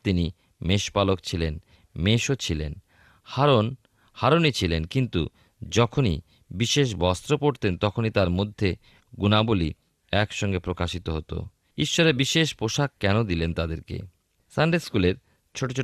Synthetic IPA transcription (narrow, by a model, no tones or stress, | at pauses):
t̪ini | meʃpalok̚t͡ɕʰilen | meʃot͡ɕʰilen | haɾon | haɾonit͡ɕʰilenkint̪u | d͡ʑɔkʰonḭ | biʃeʃ̬bɔst̪ɾopoʈt̪ent̪ɔkʰonit̪aɾmod̪ʱːe | ɡunaboli | ɛkʃɔŋɡepɾokaʃit̪oɦot̪o̰ | iʃːoɾebiʃeʃpoʃakkːɛnod̪ilent̪ad̪eɾkḛ | saɳɖeskuleɾ | t͡ɕʰoʈot͡ɕʰo